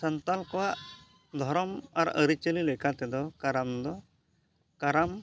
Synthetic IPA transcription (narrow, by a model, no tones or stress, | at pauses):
sənt̪alkɔwaʔ | d̪ʱɔɾɔmaɾə̰ɾit͡ʃəlilɛkat̪ɛd̪ɔkaɾamd̪ɔ | kaɾam